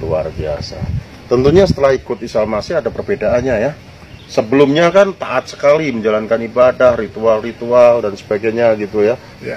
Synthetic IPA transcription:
lua̰rbia̰sa̰ | t̪ənt̪uɲasə̥t̪əlahikʊt̪isalmasɪadapərbedaʔːnɲaja | səbəlʊmɲakant̪aʔat̪̚sə̥kaliməɲd͡ʒalankanibadahrit̪ualrit̪ualdansə̥baɡajɲaɡit̪uja

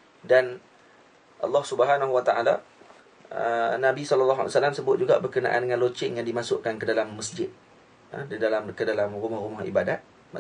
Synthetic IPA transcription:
dan | ʔɑlːɑhsubəɦanaɦuwat̪aʔala̰ | ənabisɔləlːɑɦa̰lsalamsəbʊt̪̚d͡ʒuɡabərkəna̰ʔa̰ndəŋãnlot͡ʃɪŋjaŋdimasʊʔkankədalamːəsd͡ʒɪd̪̰̚ | didalamkədalamrumahrumahḭbadat̪̚ | m

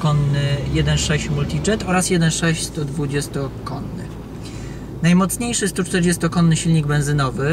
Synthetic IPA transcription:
kɔnːɘjɛd̪ɛnʂɛɕt͡ɕmult̪ʲid͡ʐɛt̪ɔɾasjɛd̪ɛnʂɛɕt͡ɕst̪ɔd̪vud͡ʑɛst̪ɔkɔnːɘ̰ | najmɔt̪sɲejʂɘst̪ut͡ʂt̪ɛɾd͡ʑɛst̪ɔkɔnːɘɕilʲɲiɡbɛ̃ñzɘnɔvɘ

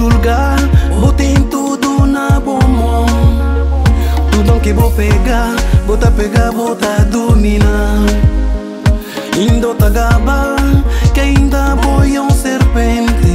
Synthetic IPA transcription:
uɾɡa | bot̪ent̪ud̪unabomo | t̪ud̪oŋkebopeɡabot̪apeɡabot̪ad̪umina | ind̪ot̪aɡabakaind̪abojoŋseɾpɛnt̪e

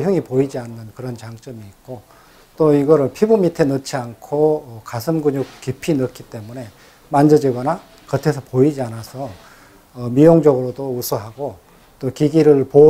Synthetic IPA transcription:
jɯŋipoid͡ʑianːɯnkɯɾʌnt͡ɕaŋt͡ɕ͈ʌmiːk̚k͈o | t͈oiɡʌɾɯɭpʰibumitʰenɯt͡ɕʰiankʰoʌkasʰɯmɡuɲuk̚kipʰinɯk͈it͈e̞mune̞ | mand͡ʑʌd͡ʑiɡʌna | kʌtʰe̞s̬ʰʌpoid͡ʑianasʰʌː | mijoŋd͡ʑʌɡɯɾodousʰuɦaɡo | t͈okiɡiɾɯɭpo

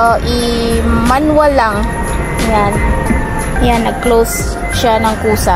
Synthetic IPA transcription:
ʔɪmanwalaŋ | jan | janːɐɡ̚klows | ʃanɐŋkuːsa

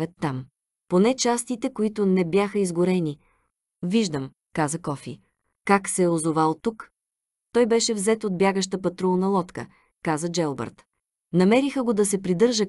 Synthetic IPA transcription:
ət̪ːam | ponɛt͡ʃast̪it̪ɛkoit̪ʊnɛbjaxəizɡʊɾɛni | viʒd̪əm | kazəkɔfḭ | kaksɛozovalˠt̪uk | t̪ɔjbɛʃɛvzɛt̪od̪̚bʲjaɡəʃt̪əpɐt̪ɾulˠnɐlˠɔt̪kə̰ | kazəd͡ʒɛlˠbɛ̰ɾt̪ | nɐmɛɾixəɡod̪ɐsɛpɾid̪ɤɾʒə

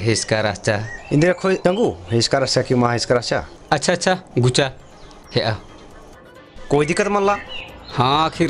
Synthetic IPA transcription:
ɦeskaɾast͡ʃʰaĩnd̪iɾakʰojd̪ɐŋɡuɦeskaɾast͡ʃakimaɦeskaɾat͡ʃʰa̰ɐtːt͡ʃʰaɐtːt͡ʃʰaɡut͡ʃa | heʔa | kojd̪ikat̪mɐnlahãkʰiɾ

